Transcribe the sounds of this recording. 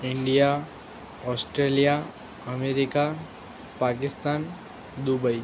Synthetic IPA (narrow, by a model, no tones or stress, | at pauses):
iɳɖija | ɔːsʈɾelija | əmeɾika | pak̬ɪst̪aːn | d̪ubəi